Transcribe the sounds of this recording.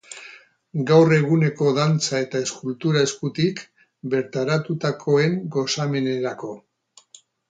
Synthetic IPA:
ɡawre̞ɣ̞une̞ko̞ðant͡sae̞t̪ae̞skult̪uɾaeskut̪ik | be̞ɾt̪aɾat̪ut̪akʰo̞e̞ŋɡo̞same̞ne̞ɾako̞

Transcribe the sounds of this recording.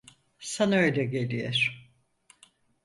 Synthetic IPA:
sanaøjlʲɛɟe̞lʲijeɾ̥

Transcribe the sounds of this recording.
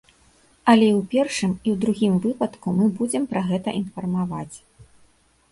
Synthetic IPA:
ɐlʲɛiwpʲɛrʂɨmiwd̪ɾuɣʲimvɨpɐt̪kumɨbud͡zʲɛmpɾɐɣɛt̪ɐ̰ʔinfɐrmava̰t͡sʲ

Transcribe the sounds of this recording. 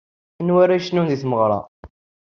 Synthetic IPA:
nwaɾaʃnunðiθməʁɾˤɑ̰

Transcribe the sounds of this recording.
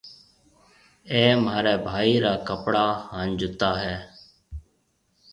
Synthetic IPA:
eːmaːɾeːbʱaːiːɾaːkəpɽaːhand͡ʒʊt̪aːɦɛː

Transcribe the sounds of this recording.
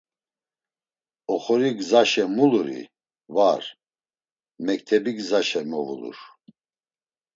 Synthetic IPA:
ɔχɔɾiɡzaʃɛmuluɾḭ | vaɾ | mɛk̚t̪ʰɛbiɡzaʃɛmɔvṵlṵɾ

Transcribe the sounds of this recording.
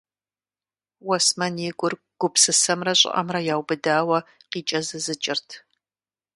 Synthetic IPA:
wɐsmɐnjɪɡʷʊr | ɡ̥ʷʊpsɨsɐmrɐɕʼɪ̰ʔɐ̰mrɐjaːwbɨdaːwɐqiːt͡ʃʼɐzɨzɨt͡ʃʼɪrtʰ

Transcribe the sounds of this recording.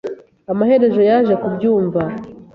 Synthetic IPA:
amahe̞ɾe̞ʒo̞jaʒekubjuːɱva

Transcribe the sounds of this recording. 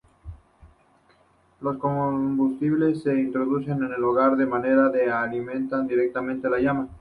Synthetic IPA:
lo̞sko̞mbust̪iβle̞sːe̞int̪ɾo̞ðuse̞ne̞ne̞loɣaɾðe̞mane̞ɾaðealimẽ̞nt̪and̪iɾe̞k̚t̪amẽnt̪elaʝama

